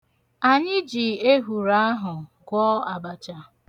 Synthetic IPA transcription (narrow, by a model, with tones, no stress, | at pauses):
a˨ɲɪ˦d͡ʒi˨e˦ɦu˨ɾa˦a˦ɦʊ˨ɡʷɔ˦a˨ba˨t͡ʃa˦